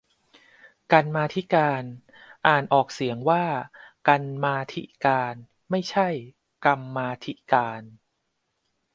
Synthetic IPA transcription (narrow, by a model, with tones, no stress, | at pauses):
ka˧nmaː˧t̪ʰi˦˥kaː˧n | ʔaː˨˩nʔɔː˨˩k̚si˨˩˦əŋwaː˥˩ka˧nmaː˧t̪ʰḭ˦˥˩kaː˧n | ma˥˩jt͡ɕʰa˥˩j | ka˧mːaː˧t̪ʰi˦˥kaː˧n